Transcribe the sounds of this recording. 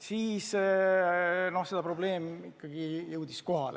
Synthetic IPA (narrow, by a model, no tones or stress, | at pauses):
siːs | no̞hsed̥̪ɑpro̞ble̞ːmikːɑɡ̥ijɯwd̪̥isko̞ɦɑl